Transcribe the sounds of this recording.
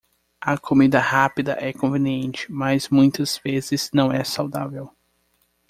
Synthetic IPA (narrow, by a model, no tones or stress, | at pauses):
ɐkʰomid̪ɐhapid̪ɐʔɛkõvẽniẽnt͡ʃɪ̥mɐzmũj̃t̪ɐz̥vezɪz̥nɐ̃w̃ɛsawd̪avew